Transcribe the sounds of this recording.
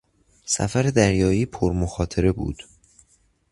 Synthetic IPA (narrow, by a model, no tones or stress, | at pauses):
sæ̰fæɾe̞d̪æɾjɒːiːpʰoɾmoxɒːt̪ʰeɾe̞bṵːd̪̥